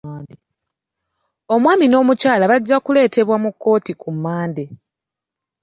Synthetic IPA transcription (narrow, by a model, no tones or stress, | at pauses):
de | o̞mwaːmino̞ːmucaːlaβaɟːakule̞ːte̞βwamukːo̞ːtikʰumːaːnde